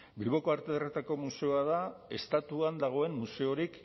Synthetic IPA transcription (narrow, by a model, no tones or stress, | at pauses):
bilβo̞ko̞aɾt̪eðret̪ako̞muse̞o̞aðae̞st̪at̪uand̪aɣ̞o̞e̞mːuse̞o̞ɾik